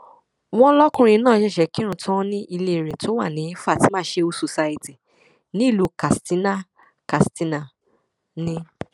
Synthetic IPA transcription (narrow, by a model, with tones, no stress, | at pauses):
w̃ɔ̃˦lɔ˦kũ˧ɾ̃ĩ˧˦nãː˦˨ʃɛ˦˨ʃɛ˨˦ki˦ɾ̃ũ˧˨tʰã˦nĩ˦ʔi˧le˦˨ɾe˨tʰo˦wa˦˨nĩ˨˦fa˦˨ti˨˦mãː˦ʃe˧u˧˦so˧sa˦i˧ti˨ | nĩ˦i˦˨lu˨˦ka˨sti˨˦na˦˨ | ka˨sti˧˦na˨ | nĩ˧